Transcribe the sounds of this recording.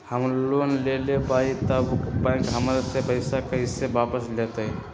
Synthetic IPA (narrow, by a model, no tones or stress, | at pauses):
həmlonlelebait̪əbukpãɪkɦəmɾasebəɪsakeɦɪsːebapəslet̪əi